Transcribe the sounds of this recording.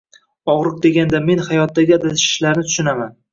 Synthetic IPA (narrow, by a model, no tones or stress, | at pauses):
ɒʁɾɨq̚d̪e̞ɡʲand̪ame̞nhajɒt̪ːaɡʲɪad̪at̪ʰʃɪ̥ʃlaɾnɪt̪ʰʊ̥ʃɪnaman